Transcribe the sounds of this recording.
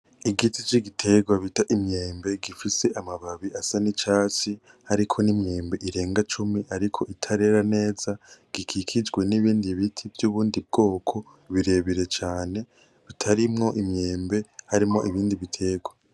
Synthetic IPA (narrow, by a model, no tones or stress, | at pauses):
iɡitit͡ʃiɡitʰe̞ɡwaβitaʔimɲeːmbe̞ɡifise̞ʔamaβaβiasanit͡ʃaːt͡ʃi | haɾikʰo̞nimɲe̞ːmbe̞ʔiɾe̞ːŋɡat͡ʃumiʔaɾikʰo̞ʔitʰaɾe̞ɾane̞ːzaɡ̥ikʰikʰid͡ʒɡwe̞niβiːndiβitʰivjuːβuːndib̚ɡo̞ːkʰo̞ | βiɾe̞βiɾe̞t͡ʃaːne̞ | βitʰaɾimŋo̞ʔimɲe̞ːmbe̞haɾimŋo̞ʔiβiːndiβitʰe̞ɡwa